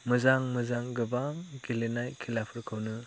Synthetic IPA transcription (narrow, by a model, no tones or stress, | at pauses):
mɯzaŋmɯzaŋɡɯbaɡilenajkʰilapʰɯɾkʰɯwnɯ